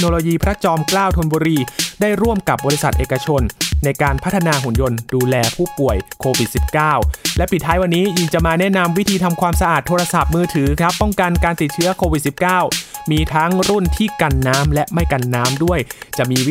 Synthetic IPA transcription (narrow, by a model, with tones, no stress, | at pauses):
noː˧loː˧jiː˧pʰɾa˦˥t͡ɕɔː˧mklaː˥˩wt̪ʰo˧nbuː˧ɾiː˧daː˥˩jɾu˥˩əmka˨˩p̚bɔː˧ɾi˧˥sa˨˩t̪̚ʔeː˨˩ka˧t͡ɕʰo˧nːa˧jkaː˧npʰa˦˥t̪ʰːa˧naː˧ɦu˨˩˦njo˧nduː˧lɛː˧pʰuː˥˩pu˨˩əjkʰoː˧wi˨˩t̪̚si˨˩p̚kaː˥˩wlɛ˦˥pʰi˨˩t̪ʰːaː˦˥jwa˧nːiː˦˥ji˨˩ŋt͡ɕa˨˩maː˧nɛ˦˥˩na˧mwi˦˥t̪ʰiː˧t̪ʰa˧mkʰwaː˧msa˧ʔaː˨˩t̪ʰːoː˧ɾa˧sa˨˩p̚mɯː˧t̪ʰɯː˩˦kʰɾa˦˥pːɔ˥˩ŋka˧nkaː˧nt̪i˨˩t̪̚t͡ɕʰɯ˦˥ɐkʰoː˧wi˨˩t̪̚si˨˩p̚kaː˥˩wmiː˧t̪ʰa˦˥ŋɾu˥˩nt̪ʰiː˥˩ka˧nːaː˦˥mlɛ˦˥ʔma˥˩jka˧nːaː˦˥mdu˥˩əjt͡ɕa˨˩ʔmiː˧